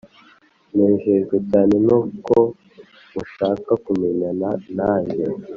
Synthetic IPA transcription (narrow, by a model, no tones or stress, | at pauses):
neːɲʒeʒɡecaːne̞noːko | muʃaːkakumeɲananaːɲe